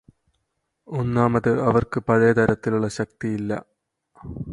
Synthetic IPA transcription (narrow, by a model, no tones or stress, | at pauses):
onːaːmɐðɨɐʋɐrkɨpɐðeːt̪ɐɾɐt̪ːiluɭːɐɕɐk̚t̪ijilːɐ̰